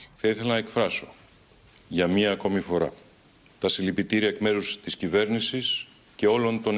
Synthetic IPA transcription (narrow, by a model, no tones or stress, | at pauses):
θɐiθe̞lɐnɐekfɾɐso̞̥ | ʝɐmiɐːko̞mifo̞ɾɐ̰ | t̪ɐsilipit̪iɾiɐekme̞ɾust̪iscive̞ɾnisis | ce̞o̞lo̞nt̪o̞n